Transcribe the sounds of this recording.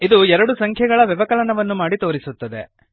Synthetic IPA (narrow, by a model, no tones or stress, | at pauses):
id̪uɛɾɐɽusɐŋkʰjɐɡɐɭɐʋɛʋɐkɐlɐnɐʋɐnːumaːɽit̪o̞ːɾisut̪ːɐd̪e̞